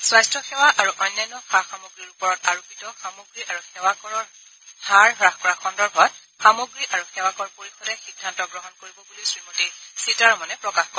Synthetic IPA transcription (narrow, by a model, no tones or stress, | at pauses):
swajstɹɔxɛwaʔaɹuʔɔjnːajnɔxaxamoɡɹiɹupɔɹɔtaɹubitɔxamoɡɹiʔaɹuxɛwakɔɹɔɹ | haɹɦɹaxkɔɹaxɔndɔɹbʱɔt | xamoɡɹiʔaɹuxɛwakɔɹpoɹixɔdɛxidʱːantɔɡɹɔɦɔnkoɹibɔbulisɹimotisitaɹɔmɔnɛpɹɔkaxkɔ